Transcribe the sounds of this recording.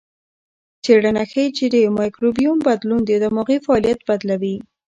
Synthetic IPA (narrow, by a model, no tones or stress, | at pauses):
t͡seɽanaxejd͡ʒiɾemɑjkɾobijumbad̪lund̪ed̪əmoɣifalijat̪̚bad̪lawi